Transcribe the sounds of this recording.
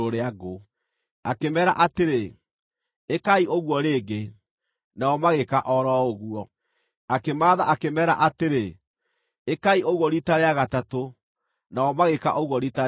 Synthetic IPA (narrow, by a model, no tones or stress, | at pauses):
oɾeaɡo | akemɛːɾa̰ʔateɾe | ekaiʔoɣwɔɾeːɡe | naɔmaɣekaʔɔɾɔoɣuɔ | akemaːðaʔakemɛːɾa̰ʔateɾe | ekaioɣwɔɾitaɾeaɣatato | naɔmaɣeka̰ʔoɣwɔɾita